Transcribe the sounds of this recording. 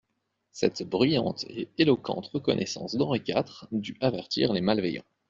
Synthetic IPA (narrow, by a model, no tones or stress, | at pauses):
sɛ̰t̪bʁyjɑ̰̃t̪eelɔkɑ̰̃t̪ʁəkɔ̰nʔɛsɑ̰̃sd̪ɑ̃ʁikʲat̪χd̪yʔavɛʁt̪iʁlemalvejɑ̰̃